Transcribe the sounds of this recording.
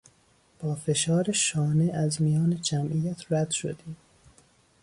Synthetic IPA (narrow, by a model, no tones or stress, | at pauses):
b̥ɒːfe̞ʃɒːɾeʃɒːneæzmijɒːned͡ʒæmʔijæt̪ʰɾæd̪̥ʃo̰d̪iːm